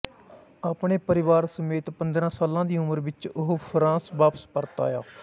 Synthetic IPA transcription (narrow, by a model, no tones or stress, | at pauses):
aːpɳeːpəɾɪʋaːɾsəmeːt̪pənd̪ɾãːsaːlãːd̪iːʊməɾʋɪt͡ʃʊɦopʰɾãːsʋaːpə̥spəɾt̪a̰ːja̰ː